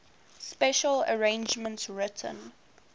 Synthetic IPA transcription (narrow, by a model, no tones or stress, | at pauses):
spɛʃələ̰ɹẽɪ̃nd͡ʒmə̃ntsɹɪtʰə̰̃n